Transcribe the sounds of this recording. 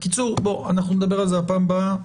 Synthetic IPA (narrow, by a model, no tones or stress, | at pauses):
kit͡suʁboa̰naχnuned̪abeʁalzeapaːmba